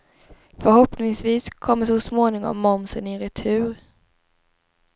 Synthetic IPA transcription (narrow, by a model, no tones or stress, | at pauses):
fœɾhɔpnɪŋsviːskʰɔmːəsɔsmoːnɪŋɔ̰mːɔmsənɪɾɛt̪ʰʉ̟ːɾ